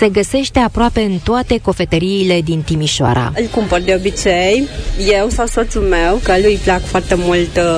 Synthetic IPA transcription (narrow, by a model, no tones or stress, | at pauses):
se̞ɡəse̞ʃt̪e̞apɾoape̞ɨnt̪oat̪e̞ko̞fe̞t̪əɾiːle̞d̪int̪imiʃoa̰ɾa̰ɨlkumpərd̪eobit͡ʃejjewsawso̞t̪sumewkəlujplakfoart̪emult̪